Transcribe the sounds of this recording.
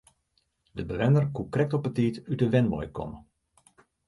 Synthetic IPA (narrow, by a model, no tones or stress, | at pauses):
dəbəʋɛnərkukrɛk̚tɔpətiːtytəʋɛnʋɔ̰jkʰɔ̰mə